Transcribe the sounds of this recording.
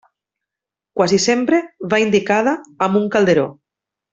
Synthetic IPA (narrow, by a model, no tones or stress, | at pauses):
kwazisempɾeβaind̪ikað̞aːmuŋkald̪eɾo̰